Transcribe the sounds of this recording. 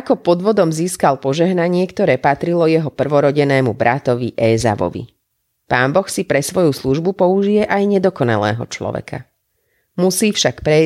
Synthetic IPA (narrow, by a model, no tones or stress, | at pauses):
akɔpɔd̪ʋɔd̪ɔmziːskalpɔʒɛɦnaɲɪɛkt̪ɔɾɛːpat̪ɾilɔjɛɦɔpr̩ʋɔɾɔɟɛnɛːmubɾʔat̪ɔʋḭʔɛːza̰ʋɔ̰ʋḭ | paːnbɔxsipɾɛsʋɔjusluʒbupɔuʒijɛʔajɲɛd̪ɔkɔna̰lɛ̰ːɦɔ̰t͡ʃlɔ̰ʋɛ̰kʰa | musiːfʃakpɾɛ